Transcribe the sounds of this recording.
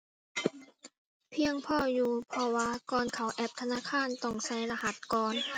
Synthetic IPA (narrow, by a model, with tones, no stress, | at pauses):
pʰi˧əŋpʰɔː˧˩juː˧pʰɔ˧˩waː˧˨kɔː˧˩nkʰa˨˦wʔɛ˧˥p̚t̪ʰa˧naː˧˥˨kʰaː˧˥˨nt̪ɔ˧˥˩ŋsa˧˩˨jla˧ha˧˦t̪̚kɔː˧n